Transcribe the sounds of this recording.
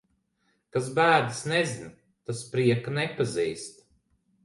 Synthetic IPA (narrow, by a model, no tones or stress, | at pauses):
kas̬bæːd̪ɨsnɛzin | t̪aspɾiɛkanɛpaziːst̪